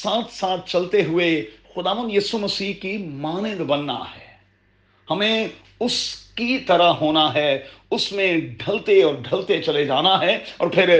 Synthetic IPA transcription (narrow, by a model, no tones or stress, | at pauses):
saːt̪ʰsaːt̪̚ʰt͡ʃɐlt̪eɦʊexʊd̪aːʋə̃nd̪jiːsumɐsiːɦkimaːnɪ̃d̪bɐnːa̰ɦɛː | hɐmẽ | ʊskit̪ɐɾəɦoːnaɦɛʊsmẽɖʱɐlt̪eɔːɾɖʱɐlt̪et͡ʃɐled͡ʒaːnaɦɛːɔ̰ːɾpʰɪɾ